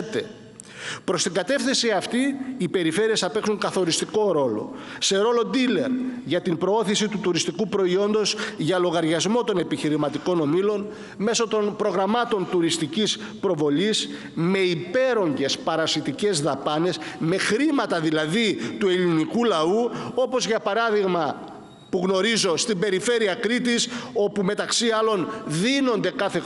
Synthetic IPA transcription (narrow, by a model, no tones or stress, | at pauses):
t̪e | pɾo̞st̪iŋɡɐt̪e̞fθisiɐft̪iːpe̞ɾife̞ɾie̞sɐpe̞ksuŋkɐθo̞ɾist̪iko̞ɾo̞lo̞̰se̞ɾo̞lo̞d̪ile̞̰ɾʝɐt̪impɾo̞o̞θisit̪ut̪uɾist̪ikupɾo̞io̞nd̪o̞zʝɐlo̞ɣɐɾʝɐzmo̞t̪one̞piçiɾimɐt̪iko̞no̞milo̞n | me̞so̞t̪o̞npɾo̞ɣɾɐmɐt̪o̞nt̪uɾist̪icis | pɾo̞vo̞lis | me̞ipe̞ɾo̞ɲɟe̞spɐɾɐsit̪ice̞zðɐpɐne̞sme̞xɾimɐt̪ɐðilɐðit̪ue̞linikulɐuo̞po̞zʝɐpɐɾɐðiɣmɐ | puɣno̞ɾizo̞st̪imbe̞ɾife̞ɾiɐkɾit̪iso̞pume̞t̪ɐksiɐlo̞nðino̞nd̪e̞kɐθe̞